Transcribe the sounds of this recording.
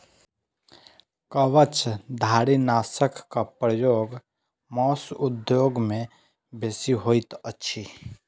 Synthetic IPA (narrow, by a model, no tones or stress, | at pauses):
kəʋət͡ʃd̪ʱaːɾinaːsəkːapɾəjoːɡ | mɔːsʊd̪joːɡmẽ | beːsiɦoːit̪ətːʃʰi